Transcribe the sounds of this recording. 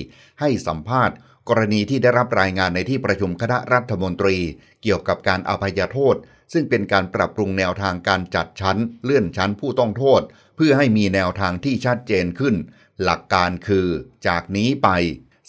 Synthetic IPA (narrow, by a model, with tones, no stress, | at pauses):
ha˥˩jsa˩˦mpʰaː˥˩t̪̚ | kɔː˧ɾa˧niː˧t̪ʰiː˥˩da˥˩jɾa˦˥p̚ɾaː˧jŋaː˧nːa˧jt̪ʰiː˥˩pɾa˧t͡ɕʰu˧mkʰa˧na˦˥ʔɾa˦˥t̪ʰːa˧mo˧nt̪ɾiː˧ | ki˨˩əwka˨˩p̚kaː˧nʔa̰˧pʰːa˧jaː˧t̪ʰoː˥˩t̪̚ | sɯ˥˩ŋpe˧nkaː˧npɾa˨˩p̚ɾu˧ŋnɛː˧wt̪ʰaː˧ŋkaː˧nt͡ɕa˨˩t̪̚t͡ɕʰa˦˥nlɯ˥˩ənt͡ɕʰa˦˥npʰuː˥˩t̪ɔ˥˩ŋt̪ʰoː˥˩t̪̚ | pʰɯ˥˩ɐɦa˥˩jmiː˧nɛː˧wt̪ʰaː˧ŋt̪ʰiː˥˩t͡ɕʰa˦˥t̪̚t͡ɕeː˧nkʰɯ˥˩n | la˨˩kːaː˧nkʰɯː˧t͡ɕaː˨˩k̚niː˦˥pa˧j